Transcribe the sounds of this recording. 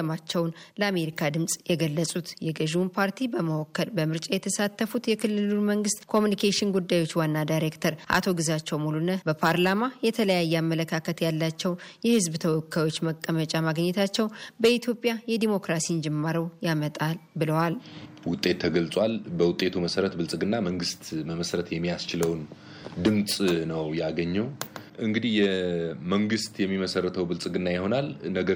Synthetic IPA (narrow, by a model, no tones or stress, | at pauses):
əmat͡ʃːɛwnləame̞ɾikʰad̪ɨmsʼjɛɡəlːəsʼut̪jɛɡəʒwunpʰaɾt̪ʰibəməwokːəlbəmɨɾt͡ʃʼajɛt̪ʰəsat̪ːəfut̪jɛkʰɨlːɨluməŋɡɨst̪kʰo̞munikʰeʃɪnɡud̪ːajwo̞t͡ʃːwanːad̪ajɾe̞kt̪ʰəɾʔa̰t̪ʰo̞ɡɨzat͡ʃːɛwmulunəbəpʰaɾlamajɛt̪ʰələjajːɛamːələkʰakʰət̪jalːat͡ʃːɛwjɛhɨzbt̪ʰəwɔkːajo̞t͡ʃːməkʼːəmət͡ʃʼamaɡɲːɛt̪ʰat͡ʃːɛwbəit̪ʰjo̞pʼjajɛd̪imo̞kɾasind͡ʒɛmːaɾəwjamət̪ʼalbɨləwal | wʊt̪ʼːe̞t̪ʰːəɡəlt͡sʼwalbəwʊt̪ʼːe̞t̪ʰuməsəɾət̪bɨlt͡sʼɨɡɨnːaməŋɡɨst̪məməsɾət̪jɛmːijast͡ʃɪləwn | d̪ɨmt͡sʼnəwjaɡəɲːɛw | ʔɨŋɡɨd̪ihjɛməŋɡɨst̪jɛmːiməsərːət̪ʰəwbɨlt͡sʼɨɡɨnːajɪho̞nalnəɡə